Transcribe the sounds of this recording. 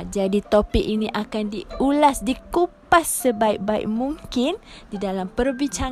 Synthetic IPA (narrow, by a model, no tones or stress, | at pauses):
d͡ʒadit̪opɪk̚iniʔakandiulasdikupasːəbaik̚baɪ̰k̚muŋkɪndidalampərbiɲt͡ʃa